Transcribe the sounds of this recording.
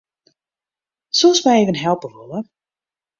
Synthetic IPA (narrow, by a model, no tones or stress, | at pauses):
sosmɛjeːvənɦɛlˠpəʋolər